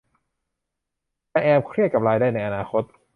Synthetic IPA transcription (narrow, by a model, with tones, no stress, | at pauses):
lɛ˧˥ʔɛː˧mkʰɾi˥˩ət̪̚ka˨˩p̚ɾaː˧jdaː˥˩jna˧jʔa˧naː˧xʰo˦˥t̪̚